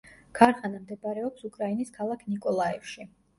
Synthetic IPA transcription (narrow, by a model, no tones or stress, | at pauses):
ɡ̥ʰaɾχanamd̪ɛbɾɛɔpsukʼɾainiskʰalˠakʰnikʼɔlˠaɛfʃi